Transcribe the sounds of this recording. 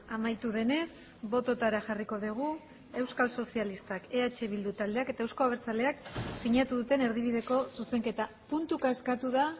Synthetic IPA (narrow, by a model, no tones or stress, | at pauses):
amajt̪uð̞e̞ne̞s | bo̞t̪o̞t̪aɾaʝariko̞ð̞iɣ̞u | e̞wskalso̞sialist̪ake̞at͡ʃe̞β̞ild̪ut̪ald̪e̞ake̞t̪aewsko̞aβ̞eɾt͡sale̞aksiɲat̪uðut̪e̞ne̞ɾðiβ̞iðe̞ko̞suse̞ŋke̞t̪a | punt̪ukaeskat̪uð̞a